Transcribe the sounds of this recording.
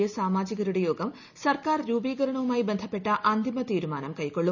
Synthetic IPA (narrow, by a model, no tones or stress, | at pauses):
jɐsaːmaːd͡ʑiɣɐɾuɽejo̞ːɡɐm | sɐrkaːrɾuːbiːɡɐɾɐɳɐʋumaːjibe̞nd̪ʱɐpːe̞ʈːɐʔɐnd̪ʱimɐt̪iːɾumaːnɐmkɐjkːo̞ɭːu